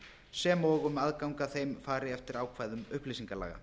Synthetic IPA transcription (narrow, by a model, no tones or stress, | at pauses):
sɛːmɔːɣʏmaðkawŋkaθejmfaːɾɪɛft̪ɪɾaːwkʰv̥aːjðʏmʏhplisiŋkala̰ːɣa̰